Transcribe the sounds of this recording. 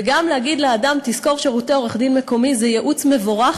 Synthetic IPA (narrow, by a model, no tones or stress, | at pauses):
ɡamlehaɡid̪leadamt̪isko̞ʁʃeʁut̪eo̞ʁeχd̪inme̞ko̞mizejeʔut͡sme̞voʁaχ